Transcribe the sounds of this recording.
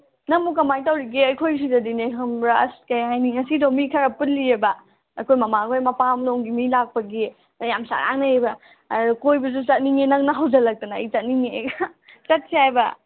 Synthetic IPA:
nɐmuk̬ɐmajtawɾiɡiɐjkʰojs̬izɐdineɦʰɐmɾaskɐjɦajniŋɐsidomikʰɐɾɐput̚liɾebɐ | ɐkʰojmɐmakʰojmɐpamloŋɡimilak̚pɐɡi | jamsa̰ɾʔa̰ŋnɐebɐ | kojbɐs̬ut͡ʃɐt̚niŋenɐŋnɐɦawd͡ʒɐlɐk̚tɐnɐit͡ʃɐt̚niŋeɡkɐt̚siajbɐ

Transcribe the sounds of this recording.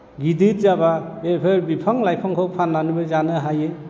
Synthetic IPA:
ɡidit̚zababepʰeɾbipʰaŋlajpʰɔŋkʰɔpʰanːanubɯzanɯɦaje

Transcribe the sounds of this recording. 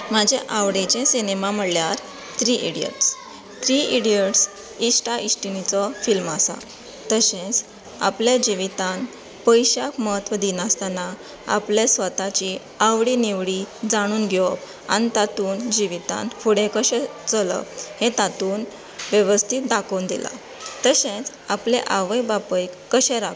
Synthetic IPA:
mad͡ʑʱẽʔaʋɽẽt͡ɕẽsinemaməɽljaɾ | t̪ɾiʔiɽijə̰ʈs | t̪ɾiiɽiəʈs | isʈaʔisʈinit͡sɔfilmasa̰ | t̪əɕẽt͡s | a̰pljad͡ʑiʋit̪ãn | pəjɕakməɦət̪ʋəd̪inast̪ana | a̰plesʋət̪at͡ɕi | aʋɽiniʋɽid͡zaɽ̃uːnɡʱjop | a̰nit̪at̪uːnd͡ʑiʋit̪ã̰nfʰuɽẽkəɕɛt͡sələ̰phẽt̪at̪uːn | ʋjeʋəst̪ʰit̪̚d̪akond̪ila̰ | t̪əɕẽt͡s | apleʔaʋəjbapəjkːəɕɛ̃ɾa

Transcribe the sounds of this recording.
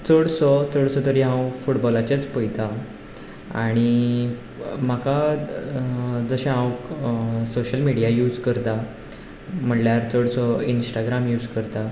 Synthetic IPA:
t͡səɽsɔt͡səɽsɔt̪əɾiɦãwfuʈbɔlat͡ɕat͡spəjt̪a | a̰ɽ̃i | m̤aka | d͡zəɕẽɦãwksoɕəlmiɽijajuːd͡zkəɾt̪a | m̤əɳljaɾt͡səɽsɔinsʈaɡɾamjuːd͡zkəɾt̪a

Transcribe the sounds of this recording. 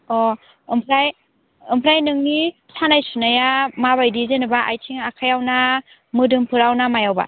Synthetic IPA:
ɔ | ɯmpʰɾaj | ɯmpʰɾajnɯŋni | sʰanajsunajamaβajdizenɯbaʔajtʰiŋakʰajawna | mɯdɯmpʰɯɾawnamajawba̰

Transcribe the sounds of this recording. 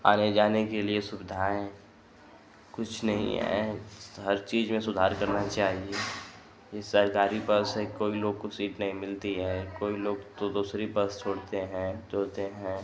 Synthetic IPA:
a̰ːned͡ʒaːnekeliesʊbɪd̪ʱaːẽ | kʊt͡ʃʰnɐɦḭ̃ɦɛ̰ɦɐɾt͡ʃiːzmẽsʊd̪ʱaːɾkɐɾnat͡ʃaːɦie | jesəɾkaːɾibɐsɦɛ̃koːiloːɡ̚kosiːʈnɐɦĩmɪlt̪iɦɛkoːiloːɡt̪od̪uːsɾibɐst͡ʃʰoːɽt̪eɦɛ̃ːd͡ʒoːt̪eɦɛ̃ː

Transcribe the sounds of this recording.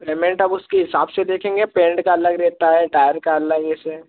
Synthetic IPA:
peːmɛ̃ɳʈɐbʊskeɦɪsaːbsed̪eːkʰẽːŋɡepẽːɳɖkaɐləɡɾɛːɦt̪aɦɛʈaːjəɾkaɐləɡese

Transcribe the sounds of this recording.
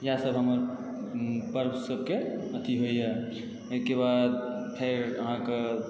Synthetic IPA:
jasəbɦəməɾ | pəɾbsəb̚ʱkeət̪ʰiɦoijɛ | ojkebad̪̚pʰeɾəɦãke

